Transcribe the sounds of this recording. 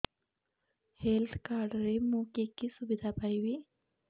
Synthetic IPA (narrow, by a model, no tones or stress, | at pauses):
held̪kaɾɖɾemokekisubid̪ʱapajʋi